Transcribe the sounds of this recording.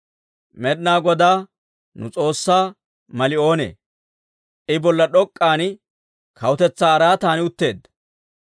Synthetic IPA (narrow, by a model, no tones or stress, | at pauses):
mɛɗnaːɡɔd̪aː | nʊ̰t͡sʼo̞ːsːaː | mɐlɪo̞ːnḛː | ʔɪbɔlːɐɗɔkʼːaːnɪ | kʰɐwʊt̪ɛt͡sːaːɐɾaːt̪aːnɪʊt̪ːe̞ːd̪ːɐ̥